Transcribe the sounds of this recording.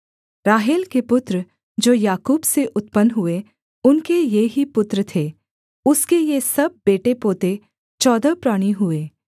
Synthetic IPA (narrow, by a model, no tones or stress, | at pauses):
ɾaːɦeːlkepʊt̪ɾə | d͡ʒoːjaːkuːbseʔʊt̪pənɦʊe | ʊnkejeɦipʊt̪ɾət̪ʰeː | ʊskejesɐb̚ːeːʈepoːt̪e | t͡ʃɔːd̪əpɾaːɽ̃iɦʊeː